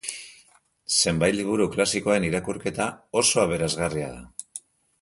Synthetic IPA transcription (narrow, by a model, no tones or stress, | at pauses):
se̞mbajt̪liβ̞uɾuklasiko̞ae̞niɾakuɾke̞t̪ao̞so̞aβ̞e̞ɾazɣaria̰ða̰